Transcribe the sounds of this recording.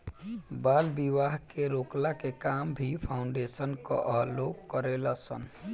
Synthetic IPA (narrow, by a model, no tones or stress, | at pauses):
balbiʋaɦkeɾoklakekambʱipʰaʊɳɖesənkɔ̰ʔəɦlokkːəɾeləsə̰n